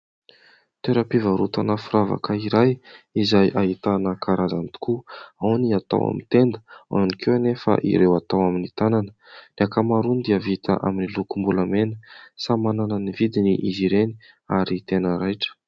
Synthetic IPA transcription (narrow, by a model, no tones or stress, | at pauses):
t̪eɾapivaɾut̪anəfuɾava̰kaiɾajizajʔaɦit̪anəkʰaɾazant̪u̥kuawniat̪a̰wa̰mḭt̪end̪ə̥a̰nikewanefə̰ʔḭɾewat̪awaminit̪ananə̥nakamaɾunid̪iəvit̪a̰ʔa̰minilukumbuləmenəsamananənivid̪iniʔiziɾeni | aɾit̪enəɾajʈ͡ʂə̥